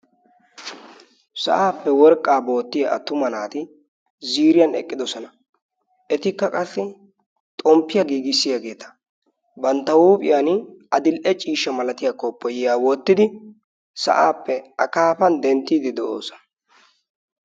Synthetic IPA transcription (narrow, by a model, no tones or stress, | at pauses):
sɐ̰ʔaːpːɛwɔɾkʼːaːbo̞ːt̪ːɪjɐʔɐ̰t̪ːʊmɐnaːt̪ɪ | ziːɾɪjɐnɛ̰kʼːɪd̪ɔsɔnɐ | ʔɛt̪ɪkːɐkʼɐsːɪ | t̪ʼɔmpːɪjɐɡiːɡɪsːɪjaɡe̞ːt̪ɐ̥ | bɐnt̪ːɐwuːpʼɪjaːnɐd̪ɪlʔɛt͡ʃʼiːʃːɐmɐlɐt̪ɪjaːkɔpːɔjɪjaːwɔt̪ːɪd̪ɪ | sɐ̰ʔaːpːɛɐkaːfɐnd̪ɛnt̪ʼːiːd̪ɪd̪ɛʔo̰ːsɔ̥nɐ